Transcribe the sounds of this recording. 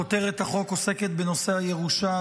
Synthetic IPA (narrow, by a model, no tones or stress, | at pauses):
ot̪e̞ʁet̪haχo̞ko̞seket̪beno̞seaje̞ʁuʃa